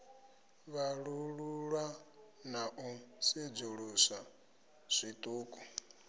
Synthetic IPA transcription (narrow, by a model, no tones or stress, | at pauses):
βaɺuɺuɺa | naʔusid͡zuɺusa | sʷit̪ʼuːkʼɔ̥